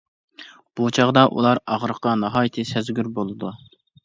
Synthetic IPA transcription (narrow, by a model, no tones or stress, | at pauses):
b̥ut͡ʃʰɑʁd̪ɑʔṵlˠɑɾɑʁɾəqɑnɑɦɑːjt̪ʰɨsɛzɡʲyɾbolˠɨd̪u